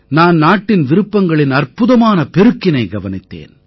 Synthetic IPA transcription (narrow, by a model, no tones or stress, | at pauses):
naːnnaːʈːɪnʋɪɾɯpːɐŋɡɐɭɪnɐrpɯðɐmaːnɐpɛɾɯkːɪnɐɪɡɐʋɐnɪt̪ːḛːn